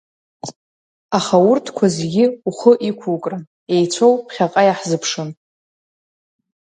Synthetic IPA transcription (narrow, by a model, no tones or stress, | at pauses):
aχaurtʰkʷʰazeɡʲɪuχəʔikʷʰukʼran | e̞jt͡sʷʰowpʰχʲaqʼajaħzɨpʰʂɨn